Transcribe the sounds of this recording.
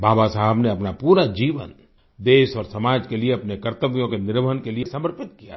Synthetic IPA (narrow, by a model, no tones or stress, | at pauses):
bʱaːbasaɦəbneɐpnapuːɾad͡ʒiːʋə̰n | d̪eːʃɔːɾsɐmaːd͡ʒkelieɐpnekɐɾt̪əʋjõkenɪɾʋəɦənkelijesɐməɾpɪt̪̚kija̰